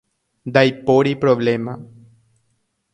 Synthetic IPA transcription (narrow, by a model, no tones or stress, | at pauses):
d̪ajpoɾipɾoβlema